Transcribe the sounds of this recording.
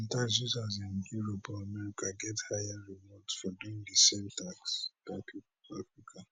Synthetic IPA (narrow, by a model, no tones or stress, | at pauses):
n̩taksuzaz̬ãnjuɹopɔamɛɾikaɡɛthajaɹimɔtfɔduĩŋdəsemtaksd̥apʰi | afɹikʰa